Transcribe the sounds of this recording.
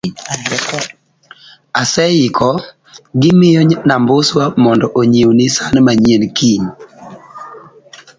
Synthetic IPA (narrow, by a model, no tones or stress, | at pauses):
asɛjɪkʰɔ | ɡɪmɪjɔnambʊswamɔndɔʔoɲewnɪsanmaɲienkʰin